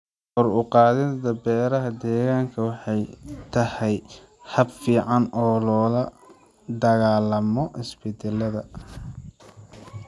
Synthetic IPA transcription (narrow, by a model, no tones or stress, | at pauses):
hɔrʊqɑːðɛd̪ɐbɛːɾɐɦɐd̪ɛːɣaːŋkʰɐwɑħɑjt̪ʰɐhɛj | hɐbfiːʕɑnɔːlɔːlɐ | d̪ɐɣaːlɐmɔʔɪsbɪt̪ʰɛlɐðɐ